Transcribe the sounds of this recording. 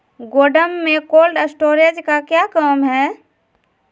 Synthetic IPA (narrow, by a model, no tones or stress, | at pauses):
ɡoːɖəmːẽkoːlɖəsʈoːɾed͡ʒkakjakəːmɦɛː